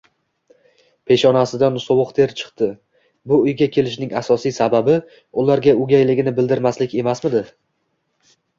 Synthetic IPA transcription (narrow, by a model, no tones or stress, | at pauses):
pʰe̞ʃɒnasɪd̪ansowʊqt̪ʰe̞ɾt͡ʃʰɨ̥qt̪ɪ | bʊʊjɡʲakʲʰe̞lɪʃnɪŋasɒsijsababɪ | ʊlaɾɡʲaʊɡʲajlɪɡʲɪnɪbɪld̪ɪɾmaslɪkʲe̞masmɪd̪ɪ